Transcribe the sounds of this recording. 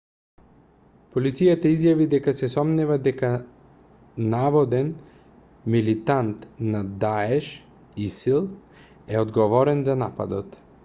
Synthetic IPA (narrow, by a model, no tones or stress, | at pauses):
pɔlit̪sijat̪aizjavid̪ɛkasɛsɔmnɛvad̪ɛka | navɔd̪ɛn | milit̪ant̪nad̪aɛʃ | isilˠ | ɛɔd̪ɡɔvɔɾɛnzanapa̰d̪ɔt̪